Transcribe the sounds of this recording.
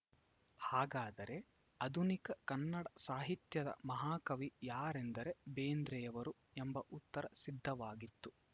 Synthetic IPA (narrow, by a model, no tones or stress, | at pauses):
haːɡaːd̪ɐɾe̞ | ɐd̪ʱunikɐkɐnːɐɽɐsaːɦit̪jɐd̪ɐ̰mɐɦaːkɐʋijaːɾend̪ɐɾe̞beːnd̪ɾɛjɐʋɐɾu | embɐʔut̪ːɐɾɐsid̪ʱːɐʋaːɡit̪ːu